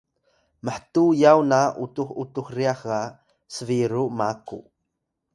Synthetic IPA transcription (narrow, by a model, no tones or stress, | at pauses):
məħtujawnautuxutuxriaxa | səviɾumaku